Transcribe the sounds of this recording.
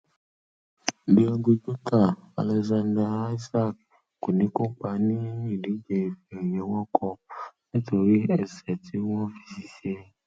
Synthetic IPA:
bi˧ɔ˧ɡu˧d͡ʒu˦ka˦˨a̰˨lɛ˧zã˧ndɾa˧˦i˦sa˦k̚ | ko˨nĩ˨˦ko˦k͡pa˧˦nĩ˦i˦˨di˨˦d͡ʒe˨fi˨jɛ̃˨˦wɔ˦kʰɔ˧nĩ˦to˧ɾi˦ɛ˧sɛ˨ti˨˦wɔ̃˦fi̥˧si˨si˦e˦

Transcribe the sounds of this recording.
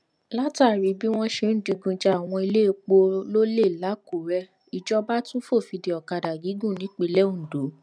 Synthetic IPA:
la˦ta˨ɾi˨˦bi˦w̃ɔ̃˦ʃe˧˦n̩˦di˨˧ɡũ˧d͡ʒa˦˨w̃ɔ̃˧i˧le˦˧k͡po˧lo˦le˦˨la˨˦ku˨ɾɛ˧˦ | i˨d͡ʒɔ˧ba˦tũ˦fo˦˨fi˧di˨ɔ˨ka˧da˨ɡi˨˦ɡũ˦˨nĩ˨˦k͡pi˧lɛ˦ũ˦˨do˨˦

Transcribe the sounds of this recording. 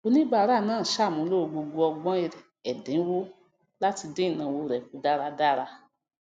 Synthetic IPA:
o˧˦nĩ˦ɡ͡ba˦˨˦ɾa˦˨nãː˦˨ʃa˦˨mũ˨˦lo˦o˧ɡ͡bo˧ɡo˧ɔ˧ɡ͡bɔ̃˦i˧˨ɾɛ˨ | ɛ˨dẽ˨˦wo˦ | la˦ti˧dẽ˦i˦˨nã˨wo˧˨ɾɛ˨k̚u˨˦da˦ɾa˧da˦ɾa˧

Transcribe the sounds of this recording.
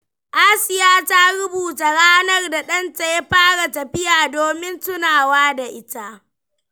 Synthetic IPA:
ʔaː˦sɪ˦jaː˦ta˦ɽʊ˦buː˨ta˨ɽaː˦nɐ˦rda˨ɗɐ˦nta˨jɐ˦ɸaː˦ɽa˨tɐ˨ɸɪ˦jaː˨doː˨mɪ˦ntʊ˦naː˨waː˦da˨ʔɪ˦ta˦ʔ

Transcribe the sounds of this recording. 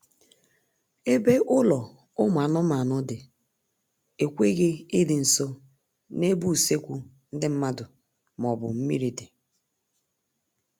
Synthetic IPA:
e˦be˦ʔʊ˦lɔ˨ | ʊ˦m˨a˨nʊ˦ma˨nʊ˦dɪ˨ | e˨kʷe˦ɣe˦i˦dɪ˨n̩˨so˦ | ne˦bu˦˨se˦kʷu˦ | n̩˦dɪ˦m̩˦ma˦dʊ˨ | m˨ɔ˨bʊ̰˨m̩˦mḭ˦ɾi˨di˨

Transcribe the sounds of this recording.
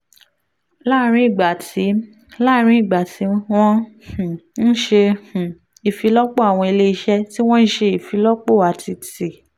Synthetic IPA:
la˦˨˦ɾ̃ĩ˦i˦˨ɡ͡ba˨ti˨˦ | la˦ɾ̃ĩ˦i˦˨ɡ͡ba˨ti˨˦w̃ɔ̃˦˨ | n̩˦ʃẽ˧˨ | i˨fi˨˧˦lɔ˦k͡po˦a˨w̃ɔ̃˧i˧le˦i˧ʃɛ˦ti˦w̃ɔ̃˦n̩˦ʃe˧i˨fi˨˧˦lɔ˦k͡po˦˨a˨ti˧ti˨

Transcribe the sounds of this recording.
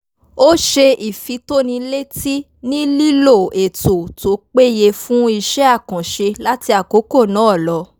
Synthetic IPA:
o˦ʃe˧i˨fi˧to˦nĩ˧le˦ti˦ | nĩ˦li˦lo˦˨e˨to˨to˨˦k͡pe˦je˧fũ˦i˧ʃɛ˦a˦˨kɔ̃˨ʃe˧la˦ti˧a˨ko˨˦ko˦˨nã˨˦ɔ˦˨lɔ˨˧˦

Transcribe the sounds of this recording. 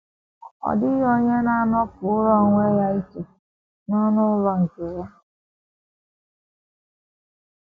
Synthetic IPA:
ɔ̰˨dɪ˦o˦ɲe˦na˦a˦nɔ˦pʊ˨ʊ˦ɾɔ˦˨ŋʷe˦ja˦i˦si˨ | nɔ˦nʊ˦ʊ˦lɔ˨ŋ̩˨ke˨ja˦

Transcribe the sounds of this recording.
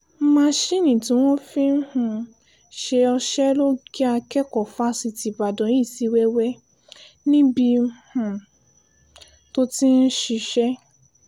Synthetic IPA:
mã˧˦ʃi˦nĩ˨tĩ˨˦w̃ɔ̃˦fĩ˦hũ˨ | ʃe˧ɔ˧ʃɛ˦lo˦ɡi˦a˧kɛ˦kɔ˨fa˦si˧ti˨ba˨dɔ̃˨jĩ˦˨si˧˦wɛ˦wɛ˦ | nĩ˦bi˧˦hũ˨ | to˦ti˦n̩˦ʃi˧ʃɛ˦

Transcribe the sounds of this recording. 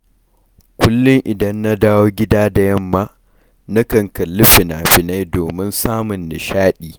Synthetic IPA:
kʷʊ˦lːʊ˦ŋʔɪ˨dɐ˦nːa˦daː˦woː˦ɡʲɪ˦daː˦da˨jɐ˦mːaː˦ | nɐ˦kɐ˨ŋkɐ˨lːɪ˦ɸɪ˨naː˨ɸɪ˨na˦jdoː˨mɪ˦nsaː˦mʊ˨nːɪ˨ʃaː˦ɗiː˨

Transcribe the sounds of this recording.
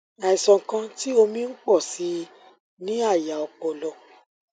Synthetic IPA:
a˨i˨sɔ̃˨kã˧ti˦o˧mĩ˦n̩˦k͡pɔ˦˨si˨˦ | nĩ˦a˦˨ja˨ɔ˨k͡pɔ˨lɔ˧

